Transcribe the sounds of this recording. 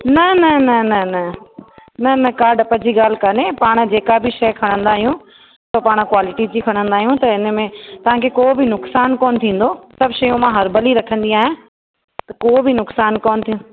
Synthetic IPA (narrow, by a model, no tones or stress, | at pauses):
nɐnɐnɐnɐnɐ | nɐnɐkaːɾɖɐpɐd͡ʑiɡaːl̤ɪkanepaːɽ̃d͡ʑeːkabʱɪʃɐjkʰɐɽ̃ə̃nd̪aːɦijũ | sopaːɽ̃kwaːlɪʈid͡ʑiːkʰɐɽ̃ə̃nd̪aːɦijũt̪ɐɪnmẽt̪ɐʋ̤ãkʰekoːbɪnʊksaːnkɔːnɪ̆t̪ʰĩːn̆d̪osɐbʃɐjũmãɦɐɾbɐliɾɐkʰə̃nd̪iaːɦẽ | t̪ɐkoːbʱɪnʊksaːnkoːnɪ̆t̪ʰijũ